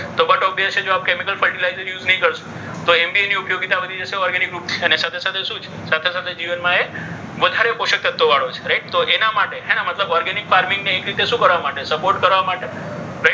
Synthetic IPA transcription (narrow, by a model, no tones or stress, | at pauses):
t̪obəʈok̚d̪at͡ʃʰed͡ʒoap̚kemikəlfəɭʈilajzəɾjud͡ʒnəɦĩkəɾʃũ̥ | t̪oembieniupjoɡit̪abəd̪ʱid͡ʒəʃeɔɾɡenikɾup̚t̪ʰiənesat̪ʰesat̪ʰeʃũt͡ʃʰe̥sat̪ʰesat̪ʰed͡ʒiʋənmãe | ʋəd̪ʱaɾepoʃək̚t̪ət̪ːoʋaɭot͡ʃʰe̥ɾeʈ̚t̪oʔenamaʈeɦɛ̃namət̪ləbɔɾɡɛnikfaɾmiŋɡneːkɾit̪eʃũkəɾʋamaʈesəpoɾʈkəɾʋamaʈe | ɾe